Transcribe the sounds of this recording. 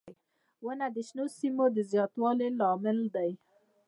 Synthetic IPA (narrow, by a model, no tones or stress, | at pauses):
wənad̪əʃnosimod̪əzjɑt̪wɑlelɑmɪld̪aj